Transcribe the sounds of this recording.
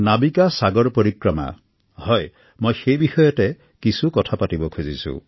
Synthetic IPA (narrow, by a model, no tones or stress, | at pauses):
nabikasaɡɔɹpoɹikɹɔma̰ | hɔj | mojxejbixɔjɔtɛ | kisukɔtʰapatibɔkʰuzisṵ